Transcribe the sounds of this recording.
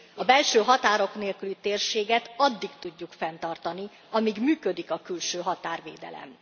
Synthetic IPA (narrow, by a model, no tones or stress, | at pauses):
ɒbɛlʃøːɦɒt̪aːɾo̞kneːlkylit̪eːrʃeːɡɛt̪ɒd̪ːikt̪uɟːukfɛnt̪ɒrt̪ɒni | ɒmiɡmyːkød̪ikɒkylʃøːɦɒt̪aːrveːd̪ɛ̰lɛ̰m